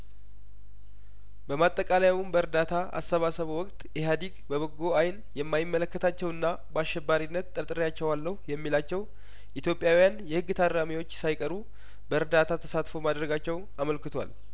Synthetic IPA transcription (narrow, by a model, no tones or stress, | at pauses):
bəmat̪ʼːəkʼalajawumbəɨɾd̪at̪ʰaa̰sːəβasəβəwɔkʼt̪ʼʔeɦad̪iɡbəβəɡːoajn | jɛmːajɪmːələkːət̪ʰat͡ʃːɛwɨnːa | baʃːɛbːaɾinːət̪t̪ʼːət̪ʼɨɾjat͡ʃːɛwalːəhjɛmːilat͡ʃːɛw | ʔit̪jo̞pʼjawijanjɛhɨɡːɨt̪ʰad̪ɾamiwo̞t͡ʃːsajkʼəɾu | bəɾd̪at̪ʰat̪ʰə̥sat̪fo̞mad̪ɾəɡat͡ʃːɛw | aməlkɨt̪ʰwa̰l